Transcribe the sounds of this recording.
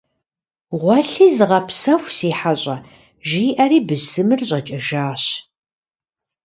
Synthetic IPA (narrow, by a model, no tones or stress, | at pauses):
ʁʷɔɬizɨʁɐpsɐxʷsiːħaɕʼɐ | ʒiːʔɐriːbɨzɨmɨrɕʼɐt͡ʃʼɐʒaːɕ